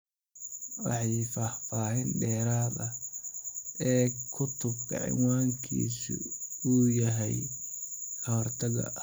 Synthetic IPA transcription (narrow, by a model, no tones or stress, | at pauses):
wɑħɑjfaːhfaːhɪnɖɛːɾaːðɐ | ɛːkʰʊt̪ʰʊb̚kʰɐ̰ʕɪ̰ŋwaːŋkʰḭːsʊ̰uːjɐɦɛj | ɔːrt̪ʰɐɣɐ̰ʔ